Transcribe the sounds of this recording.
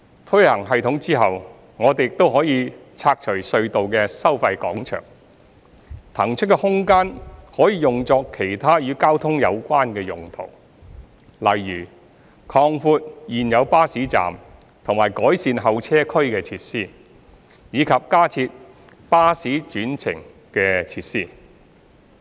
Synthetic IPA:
t̪ʰɵ˥hɐ˨˩ŋɦɐ˨jt̪ʰʊ˨˥ŋt͡siː˥ɦɐ˨w | ŋɔː˨˧t̪e˨jɪ˨k̚t̪o˥wɦɔː˨˥jiː˨˧ | t͡sʰaː˧k̚t͡ʃʰɵ˨˩ɥsɵ˧ɥt̪o˨wkɛː˧sɐ˥wfɐ˧jkɔ̰ː˨˥ŋt͡ʃʰœ̰ː˨˩ŋ | t̪ʰɐ˨˩ŋt͡ʃʰɵ˥t̚kːɛ˧hʊ˥ŋkaː˥nhɔː˨˥jiː˨˧jʊ˨ŋt͡sɔː˧kʰːe˨˩jt̪ʰaː˥jyː˨˧kaː˥wt̪ʰʊ˥ŋjɐ˨˧wkʷaː˥nkɛː˧jʊ̰˨˩ŋt̪ʰo̰˨˩w | lɐ˨jːyː˨˩ | kʰɔː˧ŋfuː˧t̚jiː˨njɐ˨˧wpaː˥siː˨˥t͡sa̰ː˨m | t̪ʰʊ˨˩ŋmaː˨˩jkɔː˨˥jsiː˧nɦɐ˨wt͡sʰɛː˥kʰɵ˥ɥkɛː˧t͡sʰiː˧t̚siː˥ | jiː˨˧kʰɐ˨p̚kaː˥t͡sʰiː˧t̚ | paː˥siː˨˥t͡ʃyː˨˥nt͡sʰɪ̰˨˩ŋ | kɛː˧t͡sʰiː˧˥t̚siː˥˩

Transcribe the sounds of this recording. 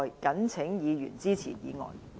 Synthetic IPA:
jkɐ˨˥nt͡sʰɪ˨˥ŋjiː˨˧jy̰ː˨˩nt͡siː˥t͡sʰḭ˨˩jḭː˨˧ŋɔ̰ː˨˩j

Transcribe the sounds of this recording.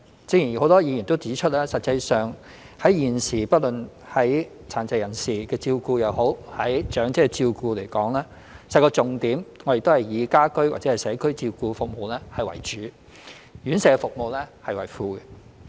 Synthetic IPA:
t͡si˧˥jiː˨˩n˨˩ho˨˥wt̪ɔː˥jiː˧jiː˨˩nt̪o˥wt͡siː˨˥t͡ʃʰɵ˥t̚lɛː˥sɐ˨t̚t͡sɐ˧jsœː˨ŋ | hɐ˨˥jjiː˨˩nsiː˨˩pɐ˥t̚lɵ˨n | hɐ˨˥j | t͡sʰaː˨˩nt͡sɐ˨˧jɐ˨˩nsiː˨kɛː˧t͡siː˧wkuː˧jɐ˨˧who˨˥whɐ˨˥jt͡ʃœː˨˥ŋt͡sɛ˥kɛ˧t͡siː˧wkuː˧le˨˩jkɔː˨˥ŋlɛː˥ | sɐ˧kɔː˧t͡sʊ˨ŋt̪iː˨˥mŋɔː˨˧˥e˨t̪o˥whɐ˨jjiː˨˧kaː˥kɵ˥ɥwa̰ː˨t̚t͡sɛː˨˥ɐ˨˩jsɛː˨˥kʰɵ˥ɥt͡siː˧wkuː˧fʊ˨k̚mo˨wlɛː˥hɐ˨jwɐ̰˨˩jt͡ʃyː˨˥ | jyː˨˥nsɛ˨˧kɛ˧fʊ˨k̚mo˨wlɛː˥hɐ˨jwɐ˨˩jfuː˧ɡɛ˧

